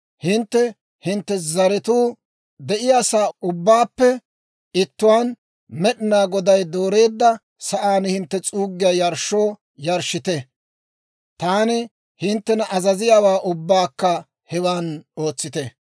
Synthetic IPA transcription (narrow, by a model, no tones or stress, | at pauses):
hɪnt̪ːɛ | hɪnt̪ːɛzɐɾɛt̪uː | d̪ɛʔɪjaːsaːʊbːaːpːɛ | ɪt̪ːʊwaːn | mɛɗɪnaːɡɔd̪ɐjd̪o̞ːɾe̞ːd̪ːɐ | sɐʔaːnhɪnt̪ːɛt͡sʼuːɡːɪjajɐɾʃo̞ː | jɐɾʃɪt̪ɛ | t̪aːnɪ | hɪnt̪ːɛnɐʔɐzɐzɪjaːwaːʔʊbːaːkːɐ | hɛwaːno̞ːt͡sːɪt̪ɛ